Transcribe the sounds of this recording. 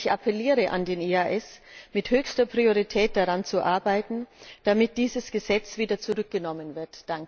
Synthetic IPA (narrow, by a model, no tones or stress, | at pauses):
çʔapʰɛliːʁəʔa̰ndeːneaʔɛsmɪthøːçstɐpʁ̥ioʁ̞itʰɛːt̚d̥aʁant͡suʔaɐbaɪtn̩d̥amɪt̚d̥iːzəsɡ̥əzɛt͡sv̥iːdɐt͡suʁʏk̚ɡ̥ənɔmənvɪɐtd̥aŋk